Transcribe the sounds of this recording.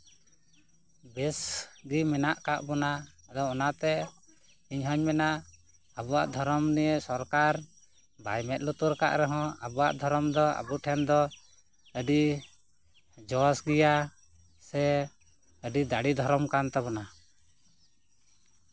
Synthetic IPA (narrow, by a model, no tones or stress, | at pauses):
bɛsɡimɛnaʔkaʔbɔnaad̪ɔɔnaʔt̪ɛ | iɲɦəɲmɛna | abuaʔd̪ʱɔɾɔmnijesɔɾkaɾ | bajmɛt̪̚lut̪uɾka̰ʔɾɛɦɔ̃abuwa̰ʔd̪ʱɔɾɔmd̪ɔa̰buʈʰɛnd̪ɔ | əɖi | d͡ʒɔsɡija | sɛ | əɖid̪aɽid̪ʱɔɾɔmkant̪ɛbɔna